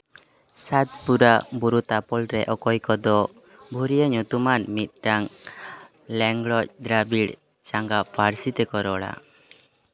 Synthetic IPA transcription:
sat̪̚puɾabuɾut̪apɔlɾɛʔɔkɔjkɔd̪ɔ | bʱuɾijəɲut̪umanmit̪̚ʈaŋ | lɛŋɡɭɔc̚d̪ɾabiɽ | t͡ʃaŋɡapʰaɾsit̪ɛkɔɾɔɽa̰

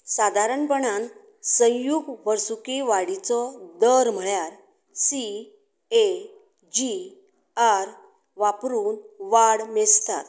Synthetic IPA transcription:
sad̪ʱaɾəɳpəɳan | sə̃j̃juɡʋəɾsukiʋaɽit͡sɔd̪əɾm̤əɭjaɾ | si | e | d͡ʑi | aɾ | ʋapɾuːnʋaɽmest̪a̰t̪̚

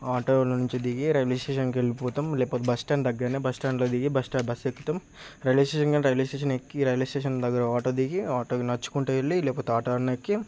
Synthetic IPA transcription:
aːʈoːlɐnuɲt͡ʃid̪iɡiɾelisʈeːʃɐnkeɭːipoːt̪ɐmlɛːpoːt̪ebɐsʈaːnd̪ɐɡːɐneːbɐsʈaːnloːd̪iɡibɐsʈaːnbɐsekːut̪ɐm | ɾeliːsʈeːʃɐnkɐnɾejlisʈeːʃɐnekːiɾejliːsʈeːʃɐnd̪ɐɡːɐɾɐaːʈoːd̪iɡiaːʈoːkinɐt͡ʃːu̥kuɳʈueɭːilɛːpoːt̪eaːʈoːɐnːɐkːi

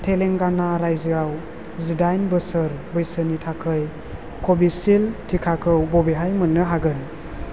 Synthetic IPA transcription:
tʰeleŋɡanaɾajzɯaw | zidajnbɯsəɾbɯjsənitʰakʰɯj | kʰobisiltʰikʰakʰɯwbɔbiɦajmɯnːɯɦaɡɯn

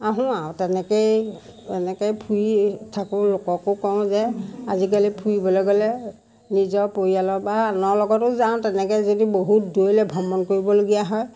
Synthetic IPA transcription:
aɦʊ̃aʊ̃tɛnɛkej | ɛnɛkɛjpʰuitʰakʊ̃lʊkɔkʊkɔʊ̃zɛazikalipʰuibɔlɔɡɔlɛ | nizɔpoialɔbaanɔlɔɡɔtʊzaʊ̃tɛnɛkɛzodiboɦut̚dojlɛbʱɔmɔnkoɹibɔloɡijaɦɔj

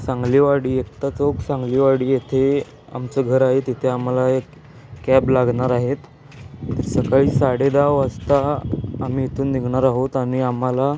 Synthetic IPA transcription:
sãŋɡliʋaɽiːekt̪at͡soksãŋɡliːʋaɽiːjet̪ʰe | a̰mt͡səɡʱəɾaɦet̪it̪ʰeam̤alaek | kæplaɡɳ̃aɾaɦet̪ | t̪ːəɾsəkaɭiːsaɽed̪aʋəst̪aːm̤iːit̪ʰuːnd̪iɡʱɳaɾaɦot̪aɽ̃iam̤ala

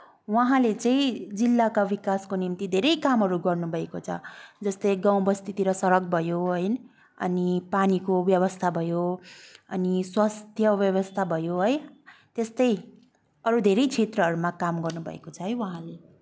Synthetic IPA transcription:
waɦãlet͡sʌĩd͡zilːakabikaskonimt̪id̪ʱeɾʌjkamɦʌɾuɡʌrnubʱʌekot͡sʰʌ̰d͡zʌst̪ʌjɡãw̃bʌst̪ʰit̪iɾʌsʌɾʌk̚bʱʌjoɦʌjn | ʌ̰nipanikobjʌβʌst̪ʰabʱʌjo | ʌ̰niswast̪ʰjʌbjʌβʌst̪ʰabʱʌjoɦʌjt̪est̪ʌj | ʌɾud̪ʱeɾʌjt͡sʰet̪rʌɦʌɾumakamɡʌrnubʱʌ̰ḛkot͡sʰʌɦʌjwãɦãle

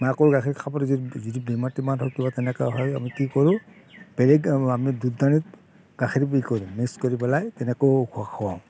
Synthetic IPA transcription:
makɔɹuɡakʰiɾikʰapɔtɛzidzidibɛmatimanɦɔjkibatɛnɛkaɦɔjamikikɔɹʊ̃ | b̥ɛlɛɡamidudanit̚ | ɡ̥axʰeɹipikoɹĩmiskoɹipɛlajtɛnɛkoʊɡuakʰɔã̰ʊ̃

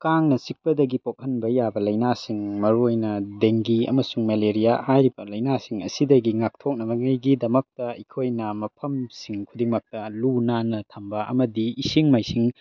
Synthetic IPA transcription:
kaŋnɐsik̚pɐdɐɡipok̚hɐnbɐjabɐlɐjnasiŋmɐɾuojnɐdeŋɡiɐ̰mɐsuŋmeleɾijahajɾibɐlɐjnasiŋɐ̰sidɐɡiŋak̚tʰok̚nɐmɐŋɐjɡidɐmɐk̚tɐḭkʰojnɐmɐpʰɐmsiŋkʰudiŋmɐk̚tɐlunanɐtʰɐmbɐʔɐ̰mɐdiisiŋmajsiŋ

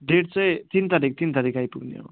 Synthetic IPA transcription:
ɖeɽt͡sʌjt̪int̪aɾik̚t̪int̪aɾikajpuɡnḛɦo̰

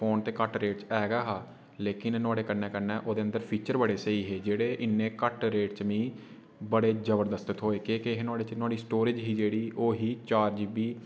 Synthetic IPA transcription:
pʰoːnt̪eːkəʈɾeːʈt͡ʃɛːɡaːɦaː | leːkɪnnʊaːɽeːkəɾnɛːkəɾnɛ̃ːʔoːd̪eːənd̪əɾpʰiːt͡ʃəɾbəɽeːsəiːɦeːd͡ʒeːɽeːʔɪnːẽːkəʈɾeːʈt͡ʃʋĩː | bəɽeːzəbəɾd̪əst̪ɪt̪ɦoːeːkeːkeɦnʊaːɽeːt͡ʃnʊaːɽiːsʈoːɾɪd͡ʒɦiːd͡ʒeːɽiːʔoːɦiːt͡ʃaːɾd͡ʒbiː

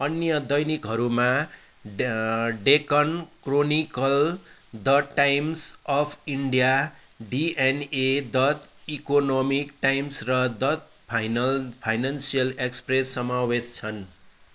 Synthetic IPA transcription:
ʌnjʌd̪ʌjnikɦʌɾuma | ɖekʌnkronikʌl | d̪ʌʈajmsʌpʰiɳɖija | ɖiened̪ʌt̪ikonomikʈajmsrʌd̪ʌt̪̚ | pʰajnʌlpʰajnansijʌlekspresːʌmawest͡sʰʌn

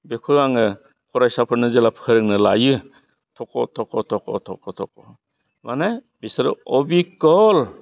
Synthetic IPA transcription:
bekʰuaŋɯ | kʰɔɾajsapʰɯɾnɯzelapʰɯɾɯŋ̚nɯlajɯ | tʰɔkʰɔtʰɔkʰɔtʰɔkɔ̰tʰɔkʰɔtʰɔk̚ɔ | mane | bisaɾɯ̰ɔbikɔl

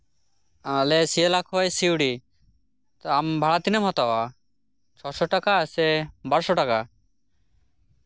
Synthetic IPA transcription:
lesiɔlakʰajsiwɽi | t̪ɔambʱaɭat̪inemɦɔt̪awa | t͡ʃʰɔsɔʈakasebaɾsɔʈaka

